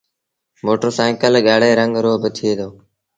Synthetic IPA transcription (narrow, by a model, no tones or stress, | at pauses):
moːʈoːsaːɪ̃kəlɠaːɽeːɾəŋɡɾoːɦbət̪ʰɪeːd̪oː